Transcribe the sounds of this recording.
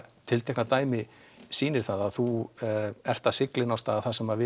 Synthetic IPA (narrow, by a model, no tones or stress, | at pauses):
t̪ʰɪlt̪ʰɛknat̪aːjmɪ | siːnɪɾ̥θaðaðθu | ɛr̥t̪asɪklɪnawst̪aːðaθasɛmavɪ